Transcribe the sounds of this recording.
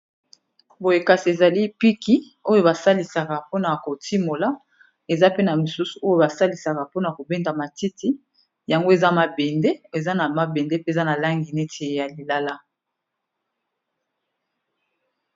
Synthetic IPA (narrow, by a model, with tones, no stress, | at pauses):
bo˨je˨ka˨si˨e˨za˨li˦pi˦ki˦ | o˦jo˦ba˨sa˦li˨sa˨ka˨po˦na˨ko˨ti˦mo˨la˦ | e˨za˦pe˦na˨mi˨su˦su̥˨ʔo˦jo˦ba˨sa˦li˨sa˨ka˨po˦na˨ko˨be˦nda˨ma˨ti˦ti˦ | ja˨ŋɡo˦e˨za˦ma˨be˨nde˦e˨za˦na˨ma˨be˨nde˦pe˦˨za˦na˨la˦ŋɡi˨ne˦tʰe˨ja˨li˨la˦la˦